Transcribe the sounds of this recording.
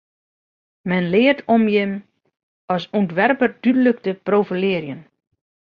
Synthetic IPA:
mɛnlɪərtʰɔmjɪm | ɔsuntʋɛrpərdydələkdəprofəlɪəɾjən

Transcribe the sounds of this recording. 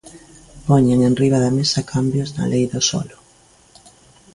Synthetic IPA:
pɔɲeŋenriβ̞aðɐmesɐkʰambjʊznɐ̰lejðosɔ̰lʊ

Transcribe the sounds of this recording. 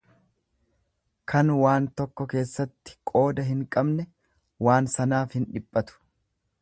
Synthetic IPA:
kʰɐnwaːnt̪ɔkːɔke̞ːsːɐt̪ːɪ̥kʼo̞ːd̪ɐɦɪŋkʼɐbnɛ | waːnsɐnaːfhɪnᶑɪpʼːɐt̪ʊ̥

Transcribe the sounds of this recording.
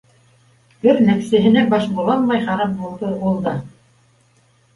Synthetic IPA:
bɘɾnæksæ̆ɦɘ̆næbɑʃbulˠɑnmɑjχɑɾɑp̚bulˠd̪ɤulˠd̪ɑ

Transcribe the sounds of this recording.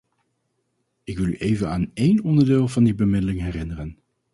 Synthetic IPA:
ɪkʋɪlˠy̰ʔejvənaːnejnɔndəɹdeːlˠvɑndibəmɪdəlɪŋɦɛrɪnərən

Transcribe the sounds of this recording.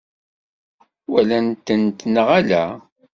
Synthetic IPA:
wælænt̪ːənt̪nəʁælæ̰

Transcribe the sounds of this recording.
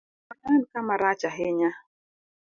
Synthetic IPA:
anankamaɾat͡ʃaɦɛɲa

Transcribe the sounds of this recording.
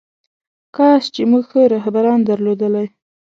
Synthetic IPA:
kɑst͡ʃemuɡxəɾahbaɾɑnd̪aɾlod̪əlaj

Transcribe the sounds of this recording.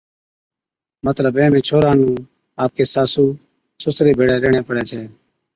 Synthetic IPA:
mət̪ləbẽːnẽːt͡ʃʰoːɾaːñuː | aːp̚keːsaːsuː | sʊsɾiːbʱeːɽeːɾeːɳeːpəɽɛːt͡ʃʰeː

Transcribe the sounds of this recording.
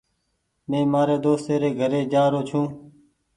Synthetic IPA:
mẽːmaːɾeːd̪oːst̪eːɾeːɡʱəɾeːd͡ʒaːɾoːt͡ʃʰũː

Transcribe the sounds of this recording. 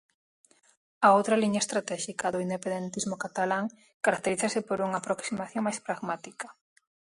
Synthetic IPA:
aowt̪ɾɐliɲaest̪ɾat̪ɛʃikaðʊind̪epend̪ent̪izmʊkat̪alaŋ | kaɾak̚t̪eɾiθasɪpoɾuŋapɾoksimaθjoŋmajspɾaɣmat̪ikɐ

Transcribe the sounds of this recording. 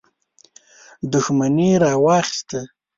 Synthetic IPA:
d̪ʊxmaniɾɑwɑxɪ̥st̪ə

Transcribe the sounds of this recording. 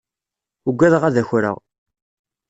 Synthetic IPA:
uɡʷːæðʁæðæçɾə̰ʁ

